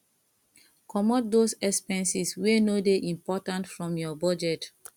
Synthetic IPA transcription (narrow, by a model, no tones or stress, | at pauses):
kʰɔmɔt̚dosɛkspɛ̃nsiswenodeʔĩmpɔtãntfɹɔ̃mjɔbɔd͡ʒɛt